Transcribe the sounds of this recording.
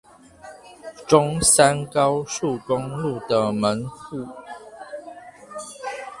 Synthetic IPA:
ʈ͡ʂʊ˦ŋsa˦nkɑ˦ʊʂu˥˨kʊ˦ŋlu˥˨d̪ə˨mə˨˦nxu˥˩˨

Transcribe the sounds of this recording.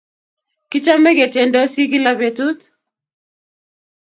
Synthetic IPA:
kɪ˦t͡ʃa˦me˦ɡe˨tje˨ndɔ˦si˦ki˦la˦be˨tu˦t

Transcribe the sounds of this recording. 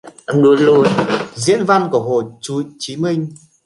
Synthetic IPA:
ʔa˧mɗu˨˦əlu˧əjzḭ˧˥ənva˧nku˧˩əho˧˩t͡ɕu˨˦t͡ɕi˨˦mi˧ŋ̟

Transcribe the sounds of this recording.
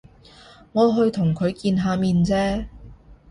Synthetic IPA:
ŋɔː˨˧ɦɵ˧ɥt̪ʰʊ˨˩ŋkʰɵ˨˧ɥkiː˧nɦaː˧miː˧nt͡sɛː˥

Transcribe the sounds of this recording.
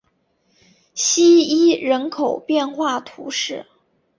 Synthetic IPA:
ɕi˥i˥ɻə˧˥nkʰo˨˩ʊpjɛ˥˧nxwa˥˩t̪ʰu˧˥ʂɻ̩˥˩

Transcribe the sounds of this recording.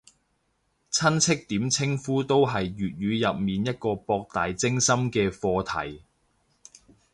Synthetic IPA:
t͡sʰɐ˥nt͡sʰɪ˥k̚t̪iː˨˥mt͡sʰɪ˥ŋfuː˥t̪o˥wɦɐ˨jɥyː˨t̚ɥyː˨˧jɐ˨p̚miː˨njɐ˥t̚kɔː˧pɔː˧k̚t̪aː˨jt͡sɪ˥ŋsɐ˥mkɛː˧fɔː˧t̪ʰɐ̰˨˩j

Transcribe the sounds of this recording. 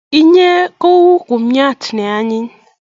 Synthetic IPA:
i˦ɲe˦ko˦wu˦ku˨m̩˦ɲa˦˨tne˨a˦ɲɪ˦n

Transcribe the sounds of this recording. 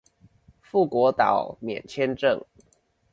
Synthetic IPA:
fu˥˩kwɔ˨˥t̪ɑ̰˨˩˦ʊmjɛ̰˨˩nt͡ɕʰjɛ˥nʈ͡ʂɤ˥˨ŋ

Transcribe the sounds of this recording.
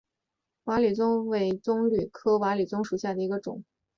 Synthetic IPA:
wa˧˥ly˨˩t͡sʊ˥ŋwe˧˥ɪt͡sʊ˥ŋly˨˩kʰɤ˥wa˧˥ly˨˩t͡sʊ˥ŋʂu˨˩ɕja˥˩d̪ə˩i˧˥ɡə˧ʈ͡ʂʊ̰˨˩˦ŋ

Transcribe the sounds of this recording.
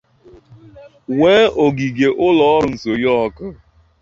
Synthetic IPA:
weː˦o˨ɡi˨ɡe˨ʔʊ˦lɔ˨ɔ˦ɾʊ˨n̩˨so˨jɔ˦ɔ˦kʊ˦

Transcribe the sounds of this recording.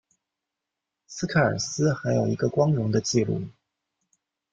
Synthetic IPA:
sɹ̩˥kʰa˥˩ə̰˞˨˩sɹ̩˥xa˧˥ɪjo˨˩ʊi˧˥ɡə˧kwɑ˥ŋɻʊ˧˥ŋd̪ə˧t͡ɕi˥˧lṵ˥˩

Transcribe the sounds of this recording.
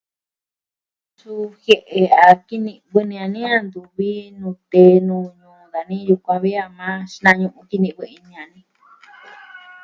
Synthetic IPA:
su˧˦xje˧˨ʔe˧a˨ki˦nĩ˧βɨ˧nĩ˧ã˧nĩ˦ã˦˧nd̪u˧βi˦nũ˧t̪e˨˦nũː˧ɲũː˨˧ða˨nĩ˦ju˧kʷã˧βi˦a˧mã˦ʃnã˧ɲũ˧ʔũ˧ki˧nĩ˧ʔβɨ˧i˧nĩ˧ã˨nĩ˦

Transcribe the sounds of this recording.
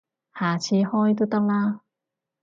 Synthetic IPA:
haː˨˩t͡sʰiː˧hɔː˥jt̪o˥wt̪ɐ˥k̚laː˥

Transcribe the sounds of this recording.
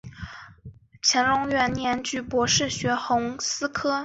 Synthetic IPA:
t͡ɕʰjɛ˧˥nɻʊ˧˥ŋɥɛ˧˥nnjɛ˧˥nt͡ɕy˥˩pwɔ˧˥ʂɻ̩˥˩ɕɥɛ˧˥xʊ˧˥ŋsɹ̩˥kʰɤ˥

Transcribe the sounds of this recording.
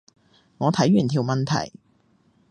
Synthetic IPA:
ŋɔː˨˧t̪ʰɐ˨˥jɥyː˨˩nt̪ʰiː˨˩wmɐ˨nt̪ʰɐ̰˨˩j

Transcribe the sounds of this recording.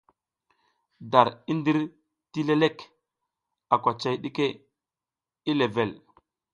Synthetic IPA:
da˨ɾi˦ndi˦ɾ | ti˦le˦le˦k | a˨kʷa˨t͡ʃa˦˨jɗi˦ke˦ | i˦le˨ve˨l

